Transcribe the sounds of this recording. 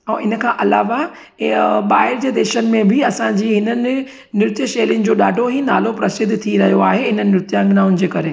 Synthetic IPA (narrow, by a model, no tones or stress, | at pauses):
ɛ̃ːʔɪnə̆kʰãːʔɐla̰ːʋa | ɓaːɦɪɾd͡ʑeːd̪eːʃənɪ̆mẽbɪɐsãɲd͡ʑiːɦɪnənɪ̆ | nɪɾt̪jəʃɐːɾɪnɪ̆d͡ʑoːɗaːɖʱoɦina̰ːlopɾɐsɪd̪ʱt̪ʰiɾɐɦijoaːɦeɦɪnənɪːɪɾɪt̪jãɡɪnaːʊnɪ̆d͡ʑeːkɐɾe